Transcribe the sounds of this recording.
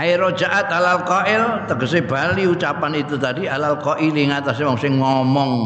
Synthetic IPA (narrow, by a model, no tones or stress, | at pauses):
aiɾo̥d͡ʒaʔat̪̚alalkɔʔɪlt̪əɡəseb̥aliut͡ʃapanit̪ut̪adialalkɔʔiliŋat̪asemɔŋsɪŋŋɔmɔŋ